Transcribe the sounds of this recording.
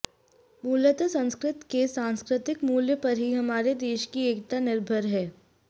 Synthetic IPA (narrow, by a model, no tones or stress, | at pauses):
muːlət̪əsɐ̃nskɾɪt̪kesãːnskɾɪt̪ɪkmuːljəpɐɾɦiɦɐmaːɾed̪eːʃkieːkt̪anɪɾbʱəɾɦɛː